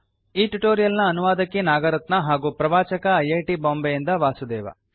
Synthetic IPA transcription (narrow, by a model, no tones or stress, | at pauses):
iːʈuʈoːɾijɐlnɐːnuʋaːd̪ɐkːenaːɡɐɾɐt̪nɐɦaːɡuːpɾɐʋaːt͡ʃɐkɐːjeːʈiboːmbejind̪ɐʋaːsud̪ɛːʋɐ̰